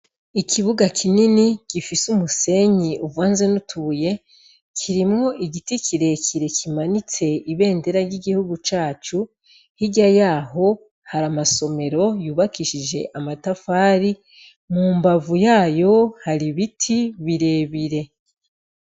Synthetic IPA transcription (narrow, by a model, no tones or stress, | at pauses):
ikʰiβuɡakʰininiɡ̥ifisumuse̞ɲiʔuvaːnzenutʰuːje̞ | kʰiɾimŋo̞ʔiɡitikʰiɾe̞kʰiɾe̞kʰimanit͡se̞iβe̞ːnde̞ɾaɾɟiɡihuɡut͡ʃaːt͡ʃu | hiɟajaːɦo̞ | haɾamaso̞me̞ɾo̞juːβakiʃid͡ʒe̞̰ʔamatafaːɾi | muːmbavujaːjo̞haɾiβitʰiβiɾe̞ːβiɾe̞